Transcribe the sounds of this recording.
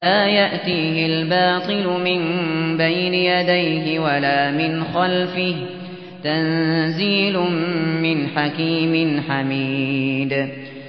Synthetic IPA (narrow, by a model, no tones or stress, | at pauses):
aːjaʔt̪iːɦɪlbɑːt̪ˤɨlʊmɪnbajnɪjad̪ajɦɪwalaːmɪnxalfɪh | t̪anziːlʊmːɪnħakiːmɪnħamiːd̪